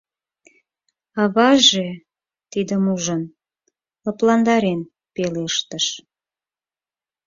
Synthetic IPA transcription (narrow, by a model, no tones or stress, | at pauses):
ɑβɑʒe | t̪id̪əmuʒən | əplɑnd̪ɑɾen | peleəʃt̪əʃ